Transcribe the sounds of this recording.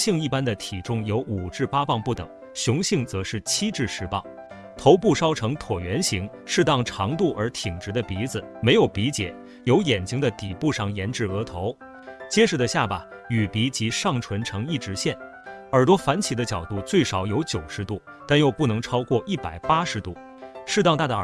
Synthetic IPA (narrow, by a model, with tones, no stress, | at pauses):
ɕi˥˧ŋi˥˩pa˥nd̪ə˨t̪ʰi˨˩ʈ͡ʂʊ˥ŋjo˧˥ʊu˨˩ʈ͡ʂɻ̩˥˩pa˥pɑ˥˧ŋpu˥˩t̪ɤ̰˨˩˦ŋ | ɕjʊ˧˥ŋɕi˥˩ŋt͡sɤ˧˥ʂɻ̩˥˩t͡ɕʰi˥ʈ͡ʂɻ̩˥˧ʂɻ̩˥˧pɑ̰˥˩ŋ | t̪ʰo˧˥ʊpu˥˩ʂɑ˥ʊʈ͡ʂʰɤ˧˥ŋt̪ʰwɔ˨˩ɥɛ˧˥nɕi˧˥ŋ | ʂɻ̩˥˧t̪ɑ˥˩ŋʈ͡ʂʰɑ˧˥ŋt̪u˥˩ʔə̰˞˧˥t̪ʰi˨˩ŋʈ͡ʂɻ̩˧˥d̪ə˧pi˧˥d͡zɹ̩˩me˧˥ɪjo˨˩ʊpi˧˥t͡ɕjɛ̰˨˩˦ | jo˧˥ʊjɛ˨˩nt͡ɕi˥ŋd̪ə˧t̪i˨˩pu˥˧ʂɑ˥˩ŋjɛ˧˥nʈ͡ʂɻ̩˥˩ɤ˧˥t̪ʰo˧˥ʊ | t͡ɕjɛ˥ʂɻ̩˥˩d̪ə˩˧ɕja˥˩pa˨˩ | y˨˩pi˧˥t͡ɕi˧˥ʂɑ˥˩ŋʈ͡ʂʰwə˧˥nʈ͡ʂʰɤ˧˥ŋi˥˩ʈ͡ʂɻ̩˧˥ɕjɛ˥˩n | ə˞˨˩t̪wɔ˥fa˧˥nt͡ɕʰi˨˩d̪ə˦t͡ɕjɑ˨˩ʊt̪u˥˧t͡swe˥˩ɪʂɑ˨˩ʊjo˧˥ʊt͡ɕjo˨˩ʊʂɻ̩˧˥t̪u˥˩ | t̪a˥˧njo˥˧ʊpu˥˩nɤ˧˥ŋʈ͡ʂʰɑ˥ʊkwɔ˥˧ʔi˥˩pa˨˩ɪpa˥ʂɻ̩˧˥t̪u˥˩ | ʂɻ̩˥˧ɑ˥˧ŋt̪a˥˧˩d̪